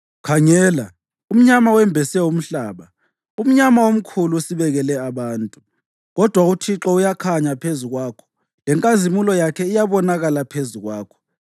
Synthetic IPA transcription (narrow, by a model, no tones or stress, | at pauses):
kʰaŋɛːla | um̩ɲamawɛmbʱɛsɛum̩ɬaːβa | um̩ɲamawom̩kʰuluusiβɛɣɛlɛaβaːntʼu | ɣɔd̥ʱwautʰiǁɔujakʰaɲapʰezuɣwaːkʰɔ̥ | lɛŋkʼazimulɔjakʰɛijaβɔnaɣalapʰezuɣwaːkʰɔ̥